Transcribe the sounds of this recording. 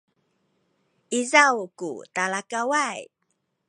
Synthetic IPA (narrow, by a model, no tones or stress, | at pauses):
ʔizawkṵtalakawaj